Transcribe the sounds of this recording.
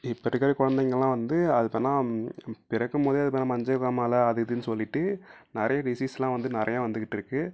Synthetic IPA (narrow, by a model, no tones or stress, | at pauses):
ɪpːɐʈːɯkːɐɾɐkʊɻɐnd̪ɐŋɡɐɭlãːʋɐnd̪ɯɐðɯpːɐnːãːpɪɾɐkːɯmpoːðiɐðɯp̬ɐnãːmɐɲd͡ʒɐɣaːmaːlɐːðɯðɯnːɯsɔlːɪʈːɯnɪɾɐjɐɖɪsiːsɛlːãːʋɐnd̪ɯnɪɾɐjãːʋɐnd̪ɯkːɪʈːɪɾɯkːɯ